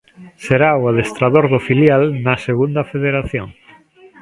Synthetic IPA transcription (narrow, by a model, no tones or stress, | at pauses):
seɾaoaðest̪ɾaðoɾðofiljalnaseɣund̪ɐfeðeɾaθjõŋ